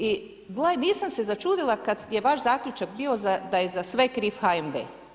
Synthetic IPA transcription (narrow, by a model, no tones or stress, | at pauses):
i | ɡlˠajniːsamse̞zat͡ʃuːd̪ilˠakad̪je̞ʋaʃzaːkʎʲut͡ʃakbiːo̞zad̪ajezasʋekɾiːfxaembḛ